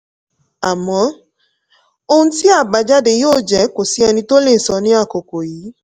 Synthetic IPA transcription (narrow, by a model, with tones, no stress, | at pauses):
a˨mɔ̃˨˦ | o˧hũ˧ti˦a˦˨ba˨˧d͡ʒa˦de˧˨joː˦˨d͡ʒɛ˨˦ko˨si˨˦ɛ˧nĩ˧to˦le˦˨sɔ˧˦nĩ˦a˦˨ko˨ko˨jiː˨˦